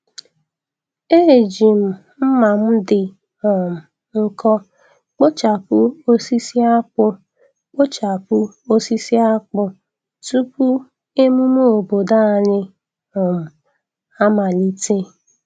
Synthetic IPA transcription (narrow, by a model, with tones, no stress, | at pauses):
e˦˨d͡ʒi˨m̩˨ | m̩˦ma˨m̩˦dɪ˨ | ɔ˨m̩˨ | ŋ̩˦kɔ˦ | k͡po˦t͡ʃa˨pʊ˦o˦si˦si˦a˦k͡pʊ˦ | k͡po˦t͡ʃa˨pʊ˦o˦si˦si˦a˦k͡pʊ˦ | tu˦pu˦ | e˦mu˦m˦o˨bo˨da˦˨ɲɪ˦ | ʊ˨m̩˨ | a˦ma˨li˦te˦